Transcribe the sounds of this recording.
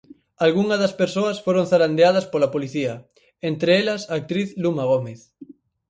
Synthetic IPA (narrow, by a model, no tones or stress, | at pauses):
alɣuŋɐðɐspeɾsoɐsfoɾoŋθaɾand̪eað̞ɐspolɐpoliθiɐ | ent̪ɾeelɐsaːk̚t̪ɾiθlumaɣ̞omeθ